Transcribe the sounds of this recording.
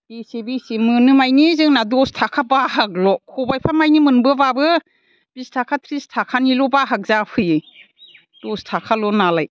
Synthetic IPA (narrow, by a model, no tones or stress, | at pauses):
bisibisimɯnɯmajnizɯŋnadɔstʰakʰabaɦak̚lɔkʰɔbajpʰamajnimɯnbɯbabɯ | b̥istʰakʰatʰɾistʰakʰanilɔbaɦak̚zapʰɯjɯ | d̥ɔstʰakʰalɔnalaj